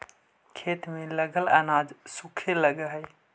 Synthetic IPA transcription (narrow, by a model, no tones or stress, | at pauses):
kʰeːt̪mẽləɡəlɐnaːd͡ʒsukʰeləɡəɦəj